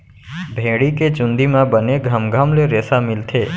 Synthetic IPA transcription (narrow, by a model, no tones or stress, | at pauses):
bʱeɽiket͡ʃʊ̃nd̪imãbəneɡʱamɡʱamleɾɛsamɪlt̪ʰe